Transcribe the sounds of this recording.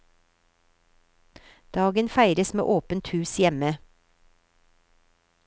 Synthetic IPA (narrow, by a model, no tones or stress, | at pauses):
d̪̥ɑːɡənfæɪɾəsmḛːʔoːpənt̪hʉːsjɛmə